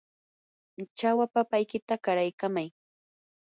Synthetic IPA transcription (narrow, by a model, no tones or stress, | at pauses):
t͡ʃawapapajkɪt̪akaɾajkamaj